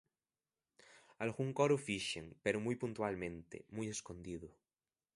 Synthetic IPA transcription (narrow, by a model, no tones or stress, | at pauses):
alɣuŋkoɾofiʃḛŋpeɾomujpunt̪ualmẽnt̪ḛmujeskond̪iðu